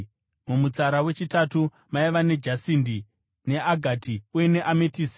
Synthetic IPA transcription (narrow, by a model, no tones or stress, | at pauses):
mumut͡saɾawe̞t͡ʃitatu | maiʋane̞d͡ʒasiːndi | ne̞ʔaɡʱatiujene̞ʔametiːsi